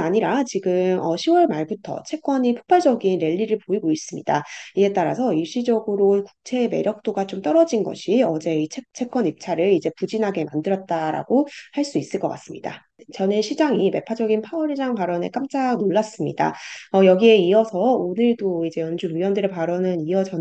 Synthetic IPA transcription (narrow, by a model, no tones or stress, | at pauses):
naɲiɾat͡ɕiɡɯmʌ̰ɕʰiwʌɭmaɭbutʰʌ̰t͡ɕʰe̞k͈wʌɲipʰo̥k̚p͈aɭd͡ʑʌɡinɾe̞ʎːiɾɯɭpoiɡois͈ɯmɲḭdaie̞t͈aɾa̰sʰʌiɭɕ͈id͡ʑʌɡɯɾoku̥k̚t͡ɕʰe̞me̞̰ɾjʌk̚t͈oɡat͡ɕomt͈ʌɾʌd͡ʑinɡʌ̰ɕʰiʌd͡ʑe̞it͡ɕʰet͡ɕʰe̞k͈wʌnip̚t͡ɕʰaɾɯɭid͡ʑe̞pud͡ʑinɦaɡe̞mandɯɾʌt̚t͈aɾa̰ɡ̥ohaɭs͈uis͈ɯɭk͈ʌk͈a̰s͈ɯmɲida̰ | t͡ɕʌneɕʰid͡ʑaŋime̞pʰad͡ʑʌɡinpʰawʌɾid͡ʑaŋpaɾʌne̞̰k͈amt͡ɕ͈aɡnoɭːas͈ɯmɲḭda̰ʌjʌɡie̞iʌsʰʌonɯɭdoid͡ʑe̞jʌnd͡ʑuɾiwʌndɯɾepaɾʌnɯniʌt͡ɕʌ